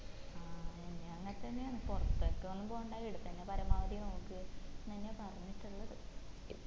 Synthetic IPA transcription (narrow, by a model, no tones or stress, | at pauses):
aːeɲːeɐŋːɐnet̪ːɐnːeaːɳɨpurɐt̪ːɐkːeonːumboːuɳɖaːjiɽut̪ːɐɲːapɐɾɐmaːʋɐd̪inoːkːɨnːɐɲːapɐrɐɲːiʈːuɭːɐðɨ